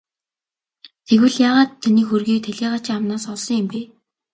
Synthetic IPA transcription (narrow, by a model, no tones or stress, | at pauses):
t̪ʰeɣwɘ̆ɮjaːʁaːt̪ʰːaniːxurɣiːk̚t̪ʰæɮʲiːʁaːt͡ɕʰiŋamnaːsɔɮsɞ̆ŋjɪmpeː